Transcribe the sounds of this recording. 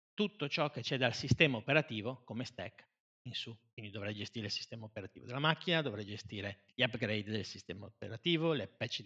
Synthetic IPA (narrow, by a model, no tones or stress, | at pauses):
t̪ut̪ːot͡ʃɔkːet͡ʃɛd̪alsist̪ɛːmaopeɾat̪iːvokomest̪ɛ̰kː | insukwind̪id̪ovɾɛjd͡ʒest̪iːɾeilsi̥st̪ɛːmaopeɾat̪iːvo̰d̪elːamakːinad̪ovɾɛjd͡ʒest̪iːɾe | ʎapɡɾejd̪d̪elsist̪ɛːmaopeɾat̪iːvolepɛt͡ʃːi